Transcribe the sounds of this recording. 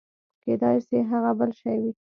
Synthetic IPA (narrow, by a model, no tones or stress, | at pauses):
ked̪ɑjseɦaɣabəlʃajwi